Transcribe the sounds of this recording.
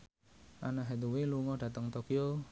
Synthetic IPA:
ʔanaɦed̪uweluŋɔd̥a̤t̪əŋt̪okio

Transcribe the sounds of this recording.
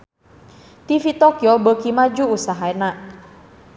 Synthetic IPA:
t̪ifit̪ɔkjɔbəkimad͡ʒuːsaɦaɛna

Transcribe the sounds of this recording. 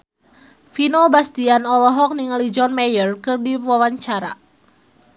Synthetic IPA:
finobast̪ianɔlɔɦɔk̚niŋalid͡ʒɔnmajərkɨrdiwawaɲt͡ʃaɾa̰

